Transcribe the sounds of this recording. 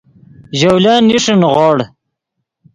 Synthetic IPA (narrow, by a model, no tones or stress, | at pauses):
ʑawlaːniʂunʁɑːɽ